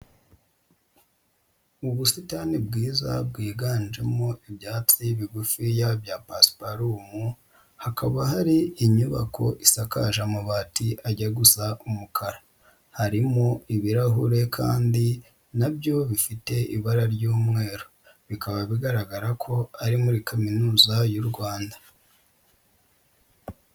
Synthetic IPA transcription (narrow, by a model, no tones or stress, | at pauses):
uβusitanibɡiːza̰b̚ɡiːɡaːnd͡ʒe̞mo̞ibjaːt͡sijβiɡufijaβjapaspaɾumu | hakaβahaɾiːɲuβakʰo̞̰ʔisakaʒamaβaːtiʔaɟaɡusaʔumukʰaɾa | haɾimoiβiɾaɦuɾe̞kʰa̰ːndi | nabjo̞βifite̞ʔḭβaɾaɾɟuːmŋe̞ːɾo | βikaβaβiɡaɾaɡaɾakʰo̞aɾimuɾikaminuːzajuɾɡwaːnda